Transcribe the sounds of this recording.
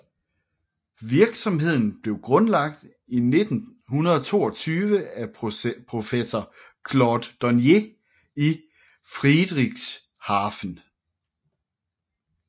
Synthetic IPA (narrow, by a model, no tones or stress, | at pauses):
ʋiɐɡ̥sɒ̽mɦe̝ð̞̰ˠn̩b̥le̝ʊɡ̥ʁɔ̽nlɑ̈ɡ̥̚d̥ | ine̝d̥n̩hunɐð̞ˠɒt͡sʰo̝̰ːɒt͡sʰyːʋəæpʰʁo̝fesɒ | kʰlɒd̥ːɒnje̝ | i | fʁid̥ʁiɡ̥s | hɑ̈ːfn̩